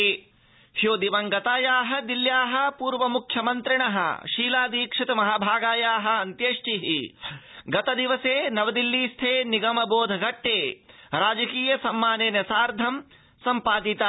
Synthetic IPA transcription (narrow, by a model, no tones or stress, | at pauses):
hjoːd̪iʋɐŋɡɐt̪aːjaːɦɐ̆d̪iljaːɦɐ̆puːɾʋɐmukʰjɐmɐnt̪ɾiɳɐɦɐ̰ʃiːlaːd̪iːkʂit̪umɐɦaːbʱaːɡaːjaːɦɐ̆ɐnt̪jeːʂʈiɦḭ | ɡɐt̪ɐd̪iʋɐseːnɐʋɐd̪ilːiːst̪ʰeːniɡɐmɐboːd̪ʱɐɡɐʈːeːɾaːd͡ʒɐkiːjɐsɐmːaːneːnjɐsaːɾd̪ʱɐm | sɐmpaːd̪it̪a